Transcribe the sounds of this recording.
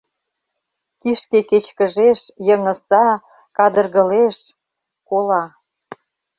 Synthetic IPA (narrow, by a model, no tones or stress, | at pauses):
kiʃkeket͡ɕkə̆ʒeʃjəŋə̆sɑ | kɑd̪ərɣə̆leʃ | kolɑ